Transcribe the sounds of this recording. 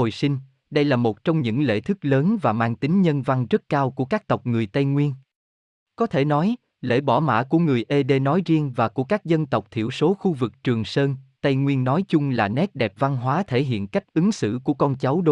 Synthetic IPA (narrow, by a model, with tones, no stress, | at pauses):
o˨˩jsi˧ŋ̟ | ɗə˧jlaː˨˩mo˨˩t̚t͡ɕɔ˧wŋ͡mɲɨ̰˧˥ŋlḛ˧˥t̪ʰɨ˦˥k̚ləː˨˦nvaː˨˩maː˧ŋt̪ï˨˦ŋ̟ɲə˧nva˧ŋzə˦˥t̚kaː˧wku˧˩əkaː˦˥k̚t̪ə˨˩wk͡p̚ŋɨ˨˩əjt̪ə˧jŋwi˧ən | kɔ˨˦t̪ʰe˧˩nɔ˨˦j | lḛ˧˥˩ɓɔ˧˩ma̰ː˧˥ku˧˩əŋɨ˨˩əjʔe˧ɗe˧nɔ˨˦jzi˧əŋvaː˨˩ku˧˩əkaː˦˥k̚zə˧nt̪ə˨˩wk͡p̚t̪ʰḭ˧˩əwso˨˦xu˧vɨ˨˩k̚t͡ɕɨ˨˩əŋsəː˧nt̪ə˧jŋwi˧ənːɔ˨˦jt͡ɕʊ˧ŋ͡mlaː˨˩nɛ˦˥t̚ɗɛ˨˩p̚va˧nɦwaː˨˦t̪ʰe˧˩ɦḭ˧˨ənka˦˥k̚ʔɨ˨˦ŋsɨ̰˧˨ku˧˩əkɔ˧nt͡ɕa˨˦wɗo˧˦